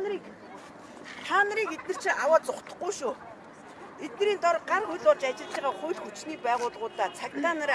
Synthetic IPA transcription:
i | t̪ʰaːnəɾiːket̪nɘ̆r̥t͡ɕʰĭʔawaːt͡sʊχt̪ə̥̆χɡːujʃuː | et̪nɘ̆ɾiːnt̪ɔrɢarxʊjɮʊrt͡ɕat͡ɕɪ̆ɮt͡ɕiːʁaːχʊjɮxut͡ɕniːpæːʁʊːɮʁʊːt̪aːt͡sʰakt̪aːnaɾ

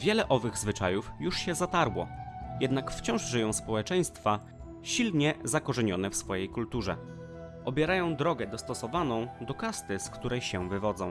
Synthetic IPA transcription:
vʲjɛlɛʔɔvɘɣzvɘt͡ʂajufjuʂɕɛzat̪aɾwɔjɛd̪nakft͡ɕɔ̃w̃ʐʐɘjɔ̃w̃spɔwɛt͡ʂɛj̃st̪fa | ɕilɲɛzakɔʐɛɲɔnɛfsfɔjejkult̪uʐɛ̰ | ʔɔbʲjɛɾajɔ̃w̃d̪ɾɔɡɛd̪ɔst̪ɔsɔvanɔ̃w̃d̪ɔkast̪ɘskt̪uɾɛjɕɛvɘvɔd̪zɔ̃w̃

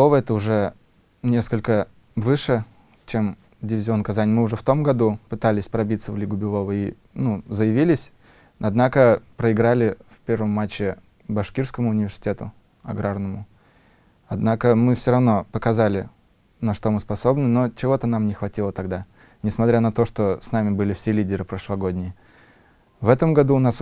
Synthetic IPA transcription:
ovəɛt̪əʊʐɛ | nʲe̞skəlʲkə | vɨʂɨ | t͡ɕem | dʲɪvʲɪzʲɪo̞nːkɐzanʲmɨʊʐɛft̪o̞mɡɐd̪upɨt̪alʲɪsʲpɾɐbʲit̪səvlʲiɡʊbʲɪlˠo̞vəi | nuzəjɪvʲilʲɪsʲ | ɐd̪nakəpɾəɪɡɾalʲɪfʲpʲe̞rvəmːat͡ɕːɪ | bɐʂkʲirskəmʊːnʲɪvʲɪrsʲɪ̥tʲe̞t̪ʊ | ɐ̰ɡɾarnəmʊ | ɐd̪nakəmɨfsʲoɾɐvno̞pəkɐzalʲɪ | nɐʂt̪o̞mɨspɐso̞bnɨno̞t͡ɕɪvo̞t̪ənamnʲɪxvɐtʲilˠət̪ɐɡd̪a | nʲɪsmɐt̪ɾʲanɐt̪o̞ʂt̪o̞snamʲɪbɨlʲɪfsʲelʲidʲɪɾɨpɾəʂlˠɐɡo̞dʲnʲɪjɪ | vɛt̪əmɡɐd̪uːnas

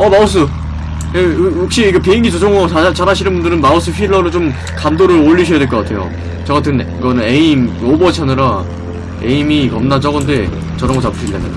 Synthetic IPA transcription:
ʌmaos̬͈ʰɯ | ejok̚ɕ͈iːɡepeiŋɡit͡ɕod͡ʑʌŋʌat͡ɕaɾaɕʰinɯnbundɯɾɯnmaos͈ʰɯɸʰiɭːʌɾɯt͡ɕom | kamdoɾɯɭoʎːiɕʰʌjadweɭk͈ʌk͈atʰe̞jo̰ | t͡ɕʌɡatʰɯniɡʌnɯne̞imobʌt͡ɕʰʌnɯɾa | e̞̰imikʌmnat͡ɕʌɡʌnde̞ | t͡ɕʌɾʌŋɡʌt͡ɕapʰɯ̥ɕʰildenɯ̰n

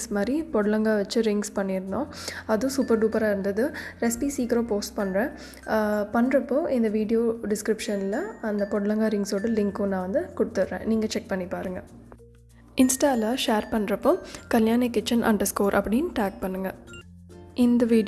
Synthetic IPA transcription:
smaːd̪ɾipɔɽɯlɐŋɡaːʋɐt͡ʃːɯɾɪŋɡspɐɳːɪɾɯnd̪õːɐðʊ̃suːpɐɾʈuːpɐɾaːɪɾɯnd̪ɐðɯɾɛspiːsiːkɾoːpoːsʈpɐɳːɾẽː | pɐɳːɾɐpːõːʔɪnd̪ɐʋiːɖɪjoːɖɪskɾɪpʂɐnlɐɐnd̪ɐpɔɽɐlɐŋɡaːɾɪŋɡsoːɽɯlɪŋkʊ̃nãːʋɐnd̪ɯkʊɽɯt̪ːɯɾɾḛ̃ːniːŋɡɐt͡ʃɛk̚pɐɳːipaːɾɯŋɡɐ | ɪnsʈaːlaʂeːɾpɐɳːɾɐpːõːkɐljaːnekːɪt͡ʃːɐnʔɐ̰ɳɖɐskoːɾʔɐ̰pːɐɽɪnʈaːk̚pɐɳːɯŋɡɐ | ɪnd̪ɐʋiː

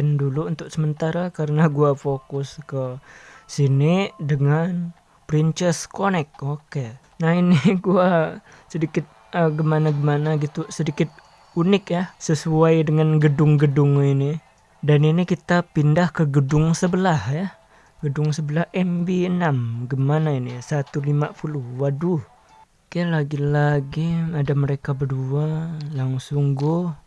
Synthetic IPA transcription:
nduluunt̪ʊk̚səmənt̪aɾakaɾənaɡuafokʊskəsinidəŋan | pɾint͡ʃɛskonɛk̚oke | nahiniɡuasədikɪt̪̚ | əɡəmanaɡəmanaɡit̪usədikɪt̪̚ | unɪk̚jahsəsuajdəŋanɡədʊŋɡədʊŋini | daninikit̪apindahkəɡədʊŋsəbəlahja | ɡədʊŋsəbəlahɛmbiənamɡəmanainisat̪ulimapulʊhwaduh | kajalaɡilaɡiadaməɾekabədualaŋsʊŋɡʊ

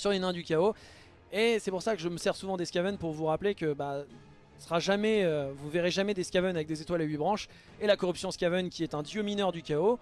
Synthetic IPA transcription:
syʁlenɛ̃d̪ykʲao | esɛpuʁsakəʒəməsɛʁsuvɑ̃d̪eskʲavɛnpuʁvuʁaplekəba | sχaʒamɛøvuveʁeʒamɛd̪eskʲavœnavɛk̚d̪ezet̪waleɥibʁɑ̃ʃ | elakɔʁypsjɔ̃skʲavœnkʲiɛt̪ɛ̃d̪jøminœʁd̪ykʲao

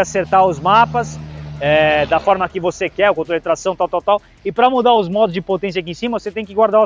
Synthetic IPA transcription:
aseɾt̪aʊzmapɐsɛd̪ɐfɔɾmɐkɪvosekɛɾʊkõt̪ɾold͡ʒat̪ɾasɐ̃w̃t̪awt̪awt̪aw | ɪpɾɐmud̪aʊzmɔd̪ʊzd͡ʒɪpot̪ẽs̬jɐak̬iẽsimɐvoset̪ẽj̃kɪɡwaɾd̪a

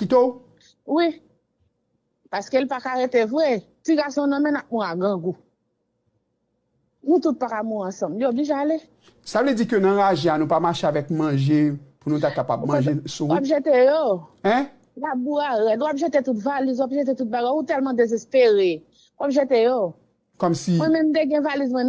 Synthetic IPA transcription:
kit̪o | wi | paskelipakaʁet̪evʁɛ | tiɡasɔ̃nɔ̃mɛ̃nap̚mũaɡɐ̃ɡu | nũt̪ut̪̚pakamuɐ̃sɐ̃mlijobliʒeale | savled͡zikønɐ̃ɣaʒɛ̃anũpamaʃeavɛkmɐ̃ʒepunũt̪akapabm̃ʒesũwapʒet̪ejoɛ̃ | wabuaɣɛtwapʒet̪etutvalizwapʒet̪̬et̪ut̪̚bajɡaut̪ɛlmãd̪ezɛspeɣe | wapʒetejo | kɔmsimwɛ̃mɛ̃mt̪eɡɛ̃valizmwɛ̃n

